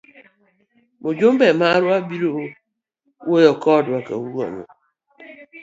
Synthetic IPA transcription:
mod͡ʒom̩bemaɾuabiɾo | wojɔkɔdʊaka̰wuɾɔ̰no̰

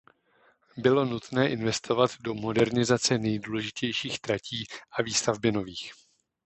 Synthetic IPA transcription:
bɪlo̞nut̪nɛːʔɪnvɛst̪ʰo̞vat̪do̞mo̞dɛɾnɪzat͡sɛnɛjduːlɛʒɪcɛjʃiːxt̪ɾacʰiːʔaviːst̪avbɪno̞viːx

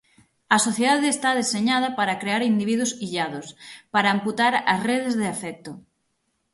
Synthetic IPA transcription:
ɐsoθjeðaðeːst̪að̞eseɲað̞ɐpaɾɐkɾeaɾind̪iβiðʊsiʎaðʊspaɾaːmput̪aɾɐsreðezðeafɛk̚t̪o

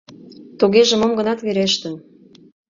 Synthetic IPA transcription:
t̪oɣeʒĕmomɡə̆nɑt̪βeɾeʃt̪ĕ

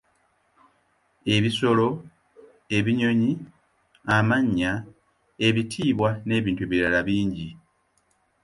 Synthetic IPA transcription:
e̞βiso̞lo̞ | e̞βiɲo̞ɲi | amaɲːa | e̞βitʰiːβwane̞ːβiːntuβiɾalaβiːɲɟi

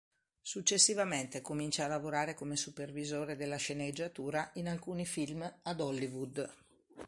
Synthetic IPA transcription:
sut͡ʃːesːivament̪ekomint͡ʃaːlːavoɾaːɾekomesupervizoːɾed̪elːaʃened͡ʒːat̪uːɾaʔinalkuːnifilmad̪ɔlːivud̪

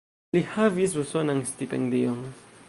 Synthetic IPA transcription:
lihavis̬usonaŋst̪ip̪ɛ̰ŋd̪ijɔŋ

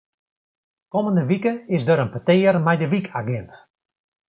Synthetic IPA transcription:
koməndəʋikəɪsdəɾənpətɪːərmɛjdəʋikʰaɡɪnt

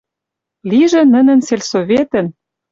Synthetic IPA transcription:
liʒĕnə̆nɘ̆nselʲsovʲet̪ə̆n

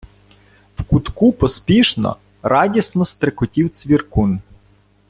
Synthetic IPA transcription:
wkut̪kupɔspʲiʃnɐ̰ | ɾɑdʲisnɔst̪ɾekʊtʲiwt̪sʲʋʲirkun

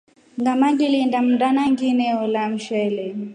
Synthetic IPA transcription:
ŋɡamaŋɡilindam̩ndanaŋɡinɛɔlam̩ʃɛlɛ

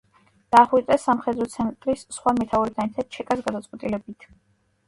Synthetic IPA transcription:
d̪̥aːχwiɛsamχɛd̪ɾɔt̪sʰɛnt̪ʼɾisːχwamɛt̪ʰauɾit̪ʰanɛt̪ʰat̪̚t͡ʃʰɛkʼasɡad̪at̪sʼqwɛt̪ʼilɛbit̪ʰ

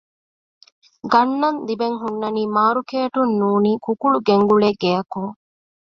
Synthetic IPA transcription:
ɡɐnːɐnd̪ibeŋɦunːɐniːmaːɾukeːʈunːuːniːkukuɭuɡeŋɡuɭeɡejɐkuŋ

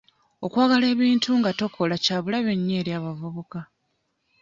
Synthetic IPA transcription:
o̞kwaːɡale̞ːβiːntuŋɡato̞kʰo̞lacaːβulaβe̞ɲːe̞ːɾjaːβavuβuka

